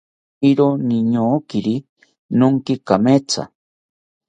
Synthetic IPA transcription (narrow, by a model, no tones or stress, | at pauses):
iɾoniɲokiɾi | noŋkikamet͡sʰa̰